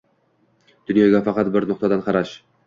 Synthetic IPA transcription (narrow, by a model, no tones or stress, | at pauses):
d̪̥ʊnjɒɡʲafɑqɑt̪̚bɪɾnʊq̚t̪ad̪anqʰɑɾaʃ